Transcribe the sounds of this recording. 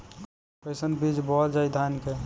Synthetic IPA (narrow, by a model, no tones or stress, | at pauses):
pesənbiːd͡ʒbɔːt̪d͡ʒəɪd̪ʱaːnkɛ